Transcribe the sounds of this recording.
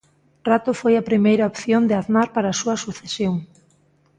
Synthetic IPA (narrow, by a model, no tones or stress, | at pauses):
rat̪ʊfojɐpɾimejɾaopθjond̪ɪaðnaɾpaɾaːsuɐsuθesjoŋ